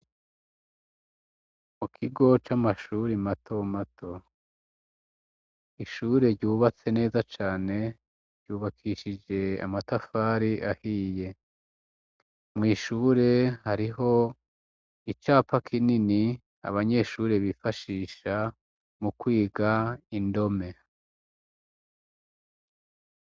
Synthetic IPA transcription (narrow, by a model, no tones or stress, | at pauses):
mukʰiɡo̞t͡ʃamaʃuːɾimatʰomatʰo | iʃuːɾe̞ɾɟuːβat͡se̞ne̞ːzat͡ʃaːne̞ | ɾɟuːβakʰiʃid͡ʒe̞a̰matafaːɾiʔahiːje̞ | mŋiːʃuːɾe̞haɾiɦo̞ | it͡ʃaːpakʰinini | a̰βaɲe̞ʃuːɾe̞βifaʃiːʃa | mukwiːɡaindo̞me̞